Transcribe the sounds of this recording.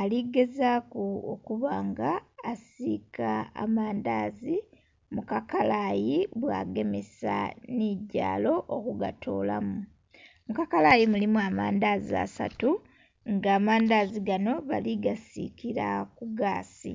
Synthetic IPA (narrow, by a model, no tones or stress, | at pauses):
aliɡe̞zakuokuβaːŋɡaːsika̰ːmaːndaːzi | mukakalajiβwaːɡe̞me̞sa̰niɟa̰ːlo̞ʔokuɡa̰tʰo̰ːlamu | mukakalajimulimuama̰ːndaːzia̰sa̰tu | ŋɡaːmaːndaːziɡano̞βaliɡasḭkiɾakuɡaːsḭ